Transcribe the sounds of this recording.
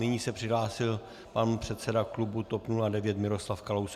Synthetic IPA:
nɪɲiːsɛpr̝̥ɪɦlaːsɪl | panpr̝̥ɛt̪sɛdaklubut̪opnuladɛvjɛt̪mɪɾo̞slafkalows

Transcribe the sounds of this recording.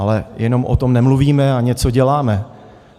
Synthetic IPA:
alɛjɛno̞mʔo̰t̪o̞mnɛmluviːmɛaɲɛt͡so̞ɟɛlaːmɛ

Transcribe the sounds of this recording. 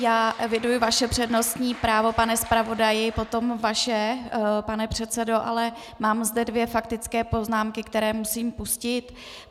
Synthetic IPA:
jaːɛvjɛdujɪvaʃɛpr̝̥ɛdno̞st̪ɲiːpɾaːvo̞panɛspɾavo̞dajɪpo̞t̪o̞mvaʃɛpanɛpr̥ɛt̪t͡sɛdo̞ʔa̰lɛ | maːmzdɛdvjɛfak̚t̪ɪt͡skɛːpo̞znaːmkɪkt̪ɛɾɛːmusiːmpuscɪt̪

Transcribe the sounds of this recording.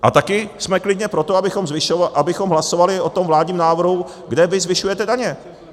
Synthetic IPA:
ʔat̪akɪsmɛklɪdɲɛpɾo̞t̪o̞abɪxo̞mzvɪʃoʔabɪxo̞mɦlaso̞valɪʔo̞t̪o̞mvlaːdɲiːmnaːvr̩ɦu | ɡdɛvɪzvɪʃujɛt̪ɛdaɲɛ

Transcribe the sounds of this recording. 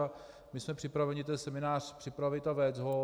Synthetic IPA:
a | mɪsmɛpr̥ɪpɾavɛɲɪt̪ɛnsɛmɪnaːr̥pr̝̥ɪpɾavɪt̪avɛd͡zɦo

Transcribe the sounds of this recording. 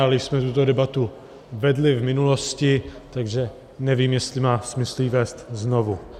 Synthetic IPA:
alɪsmɛt̪ut̪odɛbat̪u | vɛdlɪvmɪnulo̞scɪt̪aɡʒɛ | nɛviːmjɛst̪lɪmaːsmɪslivɛːst̪znovu

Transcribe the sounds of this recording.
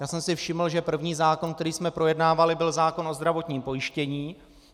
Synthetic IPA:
jaːsɛmsɪfʃɪml̩ʒɛpr̩vɲiːzaːko̞nkt̪ɛɾiːsmɛpɾo̞jɛdnaːvalɪbɪlzaːko̞nʔo̞zd̪ɾavo̞t̪ɲiːmpo̞jɪʃcɛɲiː

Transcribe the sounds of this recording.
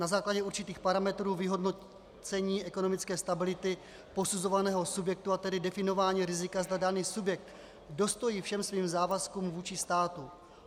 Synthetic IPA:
nazaːklaɟɛuɾt͡ʃɪt̪iːxpaɾamɛt̪ɾuːvɪɦo̞dno | t͡sɛɲiːʔɛko̞no̞mɪt͡skɛːst̪abɪlɪt̪ɪ | po̞suzo̞vanɛːɦo̞subjɛk̚t̪uat̪ɛdɪdɛfɪno̞vaːɲiːɾɪzɪkazd̪adaniːsubjɛk̚t̪ | do̞st̪o̞jiːfʃɛmsviːmzaːvaskuːmvuːt͡ʃɪst̪aːt̪u

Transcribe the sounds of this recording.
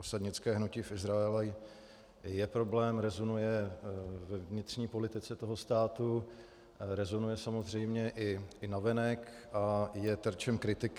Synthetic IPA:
osadɲɪt͡skɛːɦnucɪfʔɪzɾaɛlɛ | jɛpɾo̞blɛːmɾɛzonujɛ | vɛvɲɪt̪r̝ɲiːpo̞lɪt̪ɪt͡sɛt̪o̞ɦo̞st̪aːt̪u | ɾɛzonujɛsamozr̝ɛjmɲɛʔɪɪnavɛnɛkʔajɛt̪ɾt͡ʃɛmkɾɪt̪ɪk

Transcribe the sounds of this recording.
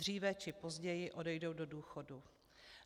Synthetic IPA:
riːvɛt͡ʃɪpo̞zɟɛjɪʔo̞dɛjdo̞wdo̞duːxo̞du

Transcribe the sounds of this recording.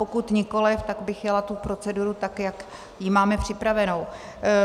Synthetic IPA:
pokut̪ɲɪko̞lɪft̪aɡbɪxjalat̪upɾo̞t͡sɛduɾut̪akjak | jɪmaːmɛpr̝̥ɪpɾavɛnow

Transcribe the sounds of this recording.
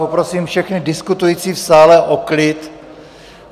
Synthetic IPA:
opɾo̞siːmfʃɛxnɪdɪskut̪ujiːt͡siːfsaːlɛʔoklɪt̪

